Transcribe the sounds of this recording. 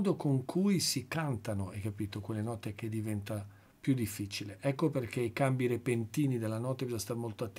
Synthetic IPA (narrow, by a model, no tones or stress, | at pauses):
d̪okoŋkʰujsikant̪anoɛkːapiːt̪okwelːenɔt̪ːek̟ed̪ivɛnt̪a | pjud̪ːifːit͡ʃileʔɛkːoperk̟eikambiɾepent̪iːnid̪elːanɔt̪ːebizɔst̪aɾmolt̪oat̪ː